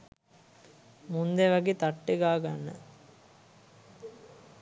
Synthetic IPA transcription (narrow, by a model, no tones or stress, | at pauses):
mund̪eʋæɡeːt̪aʈːeɡaːɡanːə̰